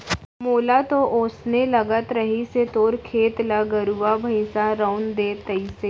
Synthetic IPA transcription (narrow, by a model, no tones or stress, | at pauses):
moːlat̪oʔoːsnelɐɡət̪ɾəɦiset̪oːɾkʰeːt̪laɡəɾuabʱɐɪsaɾaʊnd̪eːt̪ɐiseː